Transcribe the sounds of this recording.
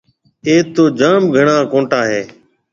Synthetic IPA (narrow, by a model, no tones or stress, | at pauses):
eːt̪oːd͡ʒaːmɡʱəɳãːkõːɳʈaːɦeː